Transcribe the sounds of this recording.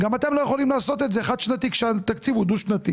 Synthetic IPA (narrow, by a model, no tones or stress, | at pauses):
ɡamat̪e̞mlo̞jeχo̞limlaːso̞t̪et̪zeχad̪ʃnat̪ikʃeat̪akt͡sivud̪uʃnat̪i